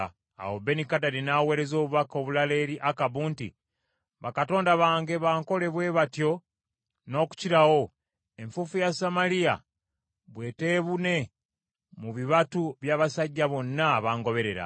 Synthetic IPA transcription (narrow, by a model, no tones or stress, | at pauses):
a̰wobe̞nikadaɾinaːwe̞ːɾe̞zo̞ːβuβako̞βulale̞ːɾiʔakaβuːntḭ | βakato̞ːndaβaːŋɡe̞βaːŋko̞le̞βwe̞ːβatjo̞ | no̞ːku̥ciɾawo̞ | e̞ɱfufujasamalija̰ | βwe̞ːte̞ːβune̞ | muβiβatuβjaːβasaɟːaβo̞nːaβaːŋɡo̞βe̞ɾe̞ɾa̰